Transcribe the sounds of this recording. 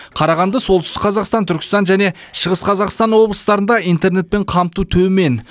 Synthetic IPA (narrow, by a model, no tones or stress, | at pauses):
qʰɑɾɑʁɑnd̪əsolˠʏst̪ɪqʰːɑzɑqst̪ɑnt̪ʰʏɾkʲɪ̥st̪ɑnʒæne̞ʃəʁəsqʰɑzɑqst̪ɑnwo̞blˠəst̪ɑɾənd̪ɑijnt̪e̞ɾne̞t̪̚pe̞ɴqʰɑmt̪ut̪ʰɵme̞n